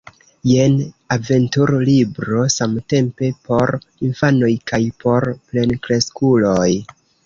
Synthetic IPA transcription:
je̞nave̞ntuɾlibɾo̞samte̞mpe̞po̞ɾinfano̞jkajpo̞ɾple̞nkɾe̞skulo̞j

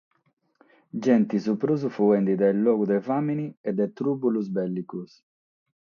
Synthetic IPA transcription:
d͡ʒɛnt̪isupɾuzufuɛnd̪id̪ɛlːɔːɡud̪ɛvaminiɛd̪ːɛt̪ɾuːpuluzbɛlːikus

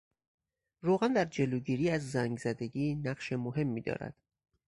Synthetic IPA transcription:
roːɣænd̪æɾd͡ʒe̞loːɟiːɾiːæzːæŋɡzæd̪e̞ɟiːnæɢʃemoɦe̞mːiːd̪ɒ̰ːɾæ̰d̪̥

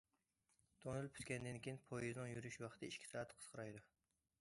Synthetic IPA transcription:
d̪̥onɨlˠpʰy̥t̪kʲɛnd̪ɪnkʲejinpʰojiznɨŋjyɾyʃwɑχt̪ʰɨiʃʲkʲʰi̥sɑːt̪qʰə̥qʰəɾɑjd̪u

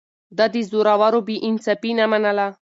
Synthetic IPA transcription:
d̪ad̪izoɾawaɾobiʔinsapinamanala

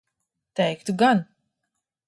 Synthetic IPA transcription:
t̪ɛjkt̪uɡan

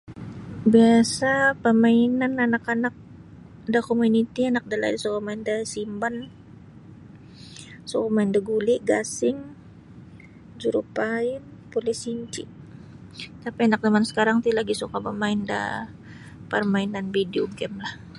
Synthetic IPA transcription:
biasapəmainananakanak̚ | dakomunit̪ianak̚dala̰disokomaɪndasimban | sokomaɪndaɡuliʔɡasɪŋ | d͡ʒuɾupaɪnpulɛsiɲt͡ʃḭ | t̪apianak̚dəmansə̥kaɾaŋt̪ilaɡisukapəmaɪnda̰ | pərmainanbidioɡɛmlah

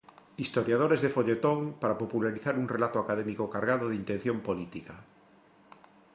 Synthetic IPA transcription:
ist̪oɾjaðoɾezðefoʎet̪oŋpaɾapopulaɾiθaɾuŋrelat̪oakað̞emikokaɾɣað̞oð̞int̪ẽn̟θjompolit̪ika

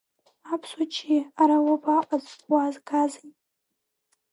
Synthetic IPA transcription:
apʰsat͡ʃʰiaɾawabaʔʼazwazɡʰazijʼ

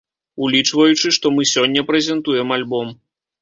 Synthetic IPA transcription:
ulʲit͡ʂvɐjut͡ʂɨʂt̪ɔmɨsʲɔnʲːɐpɾɛzʲɛnt̪ujɛmalʲbɔm

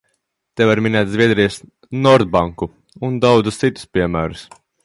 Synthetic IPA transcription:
t̪evaɾmʲinæːt̪ʲzviɛd̪ɾijəs | nɔɾd̪̚baŋku | und̪awd̪zust̪sit̪u̥spʲiɛmæːɾus

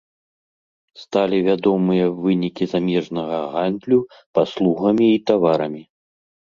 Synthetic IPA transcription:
st̪alʲivʲad̪ɔmɨjɐvɨnʲikʲizamʲɛʐnɐɣɐɣand̪lʲu | paslˠuɣɐmʲiːt̪avaɾɐmʲi

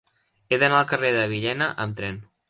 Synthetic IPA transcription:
eðənaəlˠkəreðəβ̞iʎɛnəʔəmt̪ɾɛn

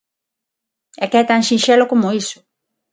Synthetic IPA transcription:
ɛkɛt̪ãnʃĩʃɛlokomʊisʊ̥

